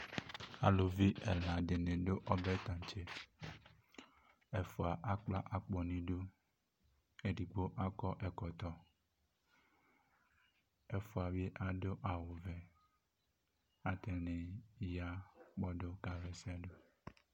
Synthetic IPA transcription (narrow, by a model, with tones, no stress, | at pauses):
a̰˨lo˨vi˦ɛ̰˨la˨ɖe˨nẽ˨ɖo˦ʔɔ˦bɛ˦t̪ã˨t͡ʃe˦ | e˨fo˨a˨ʔa˦k͡pla˦ʔa˨k͡pɔ˨nĩ˦ɖo˦ | e˦ɖi˨ɡ͡bo˦ʔa˦kɔ˦ʔɛ˨kɔ˨t̪ɔ˦ | e˦fo˨a˨be˦ʔa˦ɖo˦ʔa˨wo˨vɛ˨ | a˦t̪ɛ˨nẽ˨ja˦k͡pɔ˦ɖo˦ka˨vɛ˨sɛ˦ɖo˦